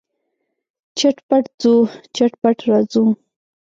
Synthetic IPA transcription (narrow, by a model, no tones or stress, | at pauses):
t͡ʃaʈpaʈd͡zut͡ʃaʈpaʈɾɑd͡zu